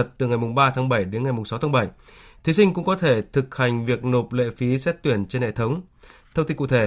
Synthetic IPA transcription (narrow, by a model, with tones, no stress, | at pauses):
ə˨˩t̚t̪ɨ˨˩ŋa˨˩jmʊ˨˩ŋ͡mɓaː˧t̪ʰa˨˦ŋɓə˧˩jɗe˨˦nŋa˨˩jmʊ˨˩ŋ͡msa˨˦wt̪aː˨˦ɓə˧˩jt̪ʰi˨˦sï˧ŋ̟kʊ̰˧˥ŋ͡mkɔ˨˦t̪ʰe˧˩t̪ʰɨ˨˩k̚ha˨˩jŋ̟vi˨˩ək̚no˨˩p̚lḛ˧˨fi˨˦sɛ˦˥t̚t̪wi˧˩ənt͡ɕe˧nhḛ˧˨t̪ʰə˨˦wŋ͡m | t̪ʰə˧ŋ͡mt̪i˧kṵ˧˨t̪ʰe˧˩